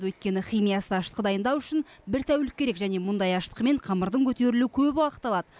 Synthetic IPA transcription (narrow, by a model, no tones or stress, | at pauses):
wɵt̪̚kʲe̞nɪχijmijɑsəɑʃt̪əqəd̪ɑjənd̪ɑwʏʃɪnbɪɾt̪ʰæwlɪk̚ʲːe̞ɾe̞kʒæne̞mʊnd̪ɑjɑʃt̪ə̥qəme̞ɴqʰɑməɾd̪əɴkʲʰɵt̪e̞ɾɪlukʲʰɵpwɑqə̥t̪ːɑlˠɑd̪ə